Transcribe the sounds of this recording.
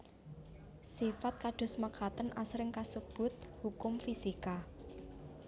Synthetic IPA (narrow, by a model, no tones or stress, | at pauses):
sifat̪̚kaɖ̪̥ɔ̤smakʰat̪ənʔasɾɪŋkasub̥ʊ̤t̪̚hukʊmfisika